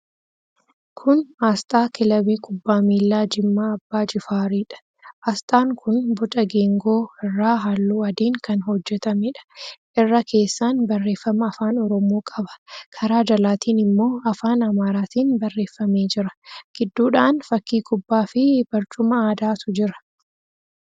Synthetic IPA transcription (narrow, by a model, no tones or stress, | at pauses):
kʰʊnaːst̪ʼaːkɪlɐbiːkʼʊbːaːmiːlːaːd͡ʒɪmːaːɐbːaːd͡ʒɪfaːɾiːᶑɐ̥ | ʔaːst̪ʼaːŋkʰʊnbʊt̪ʼɐɡeːŋɡo̞ːɪrːaːɦaːlːuːɐd̪iːŋkɐnhɔd͡ʒːɛt̪ɐmɛᶑɐ̥ʔɪrːɐkʰe̞ːsːaːnbɐrːe̞ːfːɐmɐːfaːnɔɾɔmoːkʼɐbɐ̥kʰɐɾaːd͡ʒɐlaːt̪ʰiːnɪmːo̞ːɐfaːnɐmaːɾaːt̪iːnbɐrːe̞ːfːɐme̞ːd͡ʒɪɾɐ̥ɡ̥ɪd̪ːuːᶑaːnfɐkːiːkʼʊbːaːfɪb̥ɐɾt͡ʃʼʊmɐaːd̪aːt̪ʊd͡ʒɪɾɐ̥